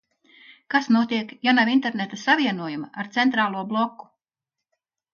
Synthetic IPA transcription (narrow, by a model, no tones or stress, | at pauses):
kasnuɔt̪iɛkjanavint̪eɾnet̪asaviɛnuɔjumaaɾt̪sɛnt̪ɾaːlˠuɔblˠɔkːu̥